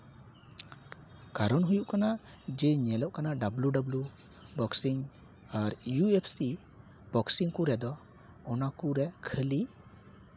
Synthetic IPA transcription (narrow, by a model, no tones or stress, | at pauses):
kaɾɔnɦujuʔkana | d͡ʒɛɲɛlɔʔkanaɖabluɖablu | bɔksiŋ | aɾjuepʰsi | b̥ɔksiŋkuɾɛd̪ɔ | ɔnakuɾɛkʰəli